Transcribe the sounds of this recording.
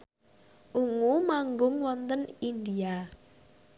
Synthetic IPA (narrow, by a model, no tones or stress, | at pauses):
ʔuŋumaŋɡʊŋwɔnt̪ənind̪ia